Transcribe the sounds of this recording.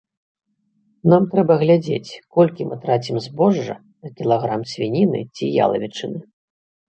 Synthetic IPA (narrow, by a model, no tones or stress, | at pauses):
namt̪ɾɛbɐɣlʲad͡zʲḛt͡sʲkɔlʲkʲimʔɨt̪ɾat͡sʲimzbɔʐːɐ̰ | nɐkʲilˠaɣɾamsʲvʲinʲinɨ̰t͡sʲija̰lˠɐ̰vʲit͡ʂɨnɨ